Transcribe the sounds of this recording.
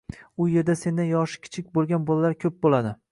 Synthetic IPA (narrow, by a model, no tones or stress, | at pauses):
ʊje̞ɾd̪ase̞nd̪anjɒʃɪ̥kʲʰɪ̥t͡ʃʰɪk̚ʲbolˠɡʲanbolalaɾkʲʰɵp̚bolad̪ɪ